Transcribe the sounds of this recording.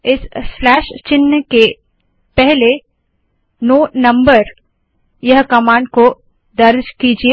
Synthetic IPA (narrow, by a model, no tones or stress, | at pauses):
ɪsːlɛːʃt͡ʃɪnke | pɛɦle | noːnɐ̃mbəɾ | jɐɦkɐmãːɳɖ̚ko | d̪ɐɾd͡ʒkid͡ʒie